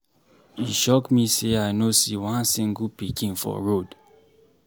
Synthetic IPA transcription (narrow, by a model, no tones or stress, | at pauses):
iʃɔkmiseaɪnosiwãnsĩŋɡupikʰĩnfɔ̰ɹod